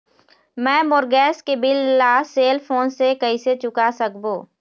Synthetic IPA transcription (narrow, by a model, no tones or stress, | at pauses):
mɛ̃ːmoːɾɡɛːskebɪlːaːseːlfʰoːnsekɐiset͡ʃʊkasɐkboː